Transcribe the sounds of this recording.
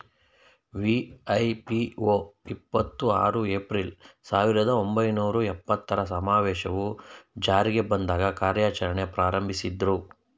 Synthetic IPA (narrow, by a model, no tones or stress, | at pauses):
ʋiɐjpioipːɐt̪ːua̰ːɾueːpɾilsaːʋiɾɐd̪ɐo̞mbɐjnuːɾuɛpːɐt̪ːɐɾɐsɐmaːʋɛːʃɐʋud͡ʒaːɾiɡe̞bɐnd̪aːɡɐkaːɾjaːt͡ʃɐɾɐɳe̞pɾaːɾɐmbʱisid̪ɾu